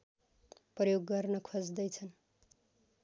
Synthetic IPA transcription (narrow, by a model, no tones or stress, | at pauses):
prʌjoɡːʌrnʌkʰod͡zd̪ʌjt͡sʰʌn